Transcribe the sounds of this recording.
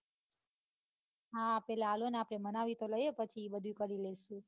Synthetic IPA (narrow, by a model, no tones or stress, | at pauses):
ɦãpɛlaaloneapɽemənaʋit̪oləjepət͡ʃʰibəd̪ʱjũkəɾileʃũ